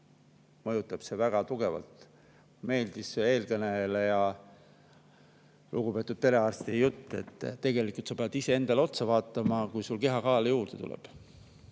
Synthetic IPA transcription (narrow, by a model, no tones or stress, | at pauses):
mɤjut̪ːˑɑb̥se̞væɡ̥ɑt̪uɡ̥e̞vɑ̰lt̪ | me̞ːld̪̥isee̞ːlkɤneelejɑ | lʔuɡupe̞ːt̪ːˑud̥̪̚p̪e̞le̞ɑːrst̪ijut̪ˑːe̞̰t̪ːt̪ːe̞ɡe̞likˑult̪sɑ̥pe̞ɑd̪̥ise̞e̞nd̪̥ɑleo̞t̪sɑvɑːt̪ːˑɑmɑkujsulke̞ɦɑkɑːlejuːrd̪e̞t̪ṵlɛ̰b̥